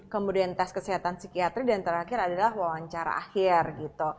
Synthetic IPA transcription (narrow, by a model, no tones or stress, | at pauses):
kəmudiant̪ɛskəsiɦat̪ansikiat̪ɾidant̪ərhakɪɾadalahwawaɲt͡ʃaɾa̰ʔa̰hɪrɡit̪u